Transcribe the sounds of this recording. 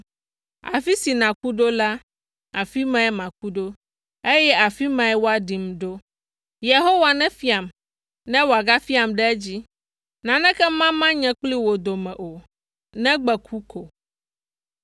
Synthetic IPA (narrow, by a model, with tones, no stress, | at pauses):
a̰˨fi˦si˨nã˨ku˦ɖo˦la˦ | a˨fi˦mɛ̃˦ɛ˦mã˨k̚u˦ɖo˦ | e˦jɛ˦a˨fi˦mɛ̃˨ɛ˦wo˦a˨ɖi˨m˦ɖo˦ | je˨ɦo˦wa˨nɛ̃˦fi˦a˨m | nɛ̃˦wo˨a˨ɡa˦fi˦a˨mɖɛ˦ɛ˦d͡ʑi˦ | nã˨nɛ̃˦kɛ˦mã˦mã˦ɲɛ̃˦k͡pli˦wo˨d̪o˨mɛ̃˨ʔo˨ | nɛ̃˦ɡ͡bɛ˨kʰu˦ko˨